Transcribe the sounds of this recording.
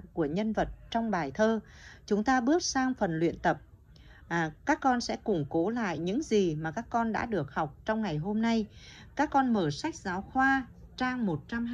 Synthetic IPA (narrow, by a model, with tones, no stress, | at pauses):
ku˧˩əɲə˧nvə˨˩t̚t͡ɕɔ˧wŋ͡mɓaː˨˩jt̪ʰəː˧ | t͡ɕʊ˨˦ŋ͡mt̪aː˧ɓɨ˦˥ət̚saː˧ŋfə˨˩nlwḭ˧˨ənt̪ə˨˩p̚ | kaː˦˥kːɔ˧nsɛ̰˧˥kʊ˨˧˩ŋ͡mko˨˦la̰ː˧˨jɲɨ̰˧˥ŋzi˨˩maː˨˩kaː˦˥kːɔ˧nɗa̰ː˧˥ɗɨ˨˩ək̚ha˨˩wk͡p̚t͡ɕɔ˧wŋ͡mŋa˨˩jɦo˧mna˧jkaː˦˥kːɔ˧nməː˧˩sa˦˥jk̟̚zaː˨˦wxwaː˧ | t͡ɕaː˧ŋmo˨˩t̚t͡ɕa˧m